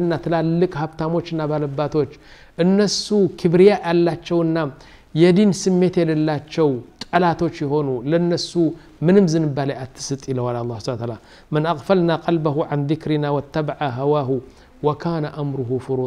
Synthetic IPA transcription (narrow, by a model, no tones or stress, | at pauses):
nːat̪ʰɨlalːɨkʼhabt̪ʰamo̞t͡ʃːɨnːabalɐbːat̪ʰo̞t͡ʃː | ʔɨnːɐsukʰɨbɾijaʔalːat͡ʃːɛwɨnːa | jɛd̪insɨmːe̞t̪jɛlɐlːat͡ʃːɛwt̪ʼɐlat̪ʰo̞t͡ʃːjɪxo̞nulɐnːɐsu | mɨnɨmzɨnɨbːalɐjat̪ʰːɨ̥sɨt̪ʼilɐwalaɑlˤːɑsant̪ala | mɨnʔaɣfɐlnaqʼɐlbɐɦuʕanðɪkɾɪnawɐt̪ʰːɐbaʕaɦawaɦu | wɐkʰaːnɐʔamɾʊɦufʊɾu